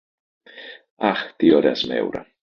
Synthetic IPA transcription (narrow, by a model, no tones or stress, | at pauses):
aχd̪̥iɔɾɛsmɛ̰wɾa̰